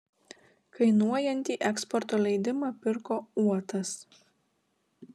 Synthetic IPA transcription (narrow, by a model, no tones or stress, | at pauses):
kɐɪnuɔjɛnʲt̪ʲiːʔɛkspɔɾt̪oːlʲɛɪd̪ʲɪmɑpʲɪɾkoːuɔt̪ɐs